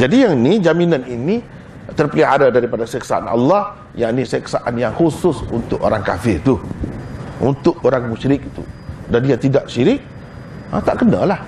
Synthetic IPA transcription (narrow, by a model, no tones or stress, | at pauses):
d͡ʒadijaŋinid͡ʒaminãnini | t̪ərpəliɦaɾadaɾipadasəksaa̰nɑ̰lːɑh | jaʔnisəksaʔanjaŋhusʊsunt̪ʊko̰ɾaŋka̰fɪrt̪u | ʔṵnt̪ʊk̚oɾaŋmũʃɾɪk̚i̥t̪ṵdandiat̪idaʔʃiɾɪʔ̚ | ə̰t̪aʔkəna̰lah